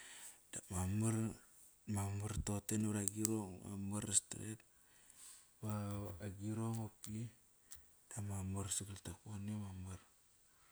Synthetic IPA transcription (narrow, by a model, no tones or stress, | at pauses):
d̥amamaɾ | mamaɾtotenɾaɡiɾoŋma̰maɾestɾet̚ | βaaɡiɾoŋopi | d̥amamaɾsiɡultakuanemamaɾ